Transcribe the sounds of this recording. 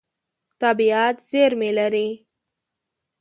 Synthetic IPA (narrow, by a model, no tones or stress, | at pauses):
t̪abiat̪zeɾmelaɾi